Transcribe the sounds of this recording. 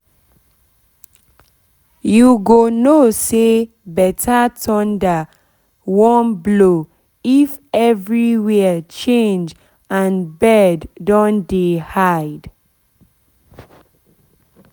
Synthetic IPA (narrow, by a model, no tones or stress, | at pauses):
juɡonose | bɛtʰatʰɔ̃nda | wɔ̃nblo | ifɛvɹiwɛt͡ʃẽnd͡ʒ | ãnbɛdːɔ̃ndehaɪd̥